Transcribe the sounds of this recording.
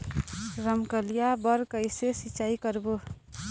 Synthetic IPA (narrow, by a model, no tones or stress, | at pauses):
ɾəmkəlijabəɾkəɪsesit͡ʃaikəɾbo